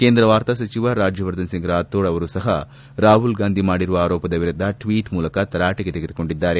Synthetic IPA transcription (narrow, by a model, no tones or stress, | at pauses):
keːnd̪ɾɐʋaːɾt̪asɐt͡ʃiʋɐɾaːd͡ʒjɐʋɐɾd̪ɐnsiŋɡɾaːt̪ːoːɭɐʋɐɾusɐɦɐ | ɾaːɦulɡaːnd̪ʱimaːɽiɾuʋɐaːɾoːpɐd̪ɐʋiɾud̪ʱːɐʈʋiːʈmuːlɐkɐt̪ɐɾaːʈiɡet̪eɡed̪uko̞ɳɖid̪ːaːɾe̞